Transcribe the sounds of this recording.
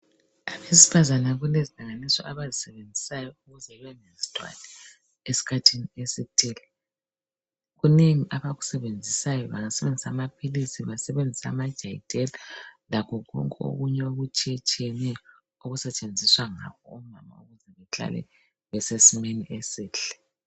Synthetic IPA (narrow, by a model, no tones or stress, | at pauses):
aβesi̥fazanaɣulezilaŋanisɔ̰ʔaβazisɛβend͡zʱisajɔuɣuzɛlɛnezitʰʼwa̰nɛ | esi̥kʰatʰiniesitʰʼilɛ | ɣuneŋiʔaβaɣu̥sɛβend͡zʱisajɔβaŋasɛβend͡zʱisamapʰilisiβasɛβend͡zʱisa̰mad̥ʒ̥ʱajid̥ʱɛlalakʰɔɣɔ̰ŋkʼɛo̰ɣuɲɛoɣut͡ʃʼiɛt͡ʃʼiɛnɛ | oɣusɛt͡ʃʼend͡zʱiswaŋa̰kʰɔum̩mama̰uɣuzɛβɛɬa̰lɛ̰ | βɛsesimeniʔesiːɬɛ̥